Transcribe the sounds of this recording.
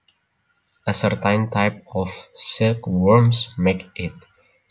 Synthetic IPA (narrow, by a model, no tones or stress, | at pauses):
əsəɹt̪ãɪ̃nt̪ʰaɪp̚ɔvsɪlkwɜɹmsmekɪt